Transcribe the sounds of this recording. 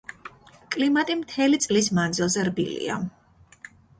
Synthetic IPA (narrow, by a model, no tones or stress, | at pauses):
kʼlimat̪ʼimt̪ʰɛlit̪sʼlismand̪zilˠzɛɾbḭlḭa̰